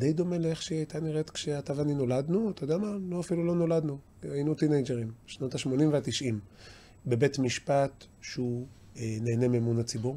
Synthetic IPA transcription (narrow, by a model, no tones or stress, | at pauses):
d̪ejd̪o̞me̞leeχʃeajt̪aniʁe̞tkʃeatavanino̞ladnuat̪ajd̪eamaloafilulo̞no̞lad̪nu | ainut̪inejd͡ʒeʁimʃnotaʃmo̞nimveat̪iʃʔim | be̞be̞tmiʃpat̪ | ʃeu | ene̞ːne̞memunat͡sibuʁ